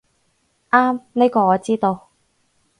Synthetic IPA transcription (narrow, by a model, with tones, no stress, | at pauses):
ʔaː˥mne˥jkɔː˧ŋɔː˨˧t͡siː˥t̪o˧w